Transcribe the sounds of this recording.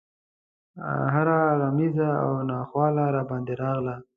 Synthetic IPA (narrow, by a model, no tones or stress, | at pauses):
ɦaɾaɾamizaa̰wnɑxwɑlaɾɑbɑnd̪eɾɑɣla